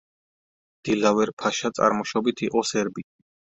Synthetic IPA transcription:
d̪̥ilavɛɾpʰaʃat̪sʼa̰ɾmɔʃɔbit̪ʰiqʼɔsɛɾbit̪ʰʼ

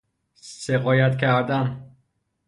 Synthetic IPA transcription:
seɣɒːjæt̪cʰæɾd̪æn

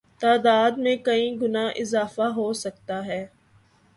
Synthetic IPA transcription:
t̪aːd̪aːd̪mẽkɐĩɡʊnaːʔɪzaːfaɦoːsɐk̚t̪aɦɛː

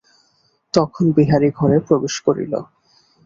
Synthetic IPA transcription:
t̪ɔkʰonbiɦaɾiɡʱɔɾepɾobeʃkoɾḭlo̰

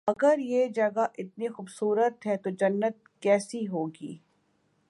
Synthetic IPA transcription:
ɐɡəɾjed͡ʒɐɡaʔɪt̪̚nixʊːbsuːɾət̪ɦɛt̪od͡ʒɐnːət̪̚kɛːsiɦoːɡḭː

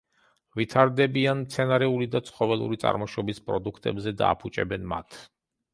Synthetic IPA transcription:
vit̪ʰaɾd̪ɛbianmt̪sʰɛnaɾɛulid̪at̪sʰχɔvɛlˠṵɾit̪sʼa̰ɾmɔʃɔbispʼɾɔd̪ukʰt̪ʼɛbzɛd̪a̰ːpʰut͡ʃʼɛ̰bɛnma̰t̪ʰ

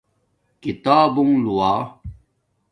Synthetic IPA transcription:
kit̪aːbuŋluwaː

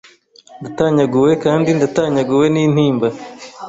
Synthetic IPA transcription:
ndataːɲaɡuwe̞kaːndindataːɲaɡuwe̞niːn̥iːmba

